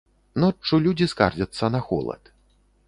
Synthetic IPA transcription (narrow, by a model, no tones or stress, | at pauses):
nɔt͡ʂt͡ʂːulʲud͡zʲiska̰rd͡zʲɐt̪sːɐnɐxɔ̰lˠɐ̰t̪